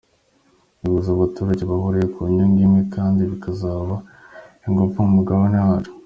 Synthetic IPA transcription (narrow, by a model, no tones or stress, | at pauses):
βiβuzaːβatuːɾaɟe̞βahoɾejekuɲoŋɡimŋe̞kaːndiβikazaːβa | iŋɡofaumuɡaβonaɾo̥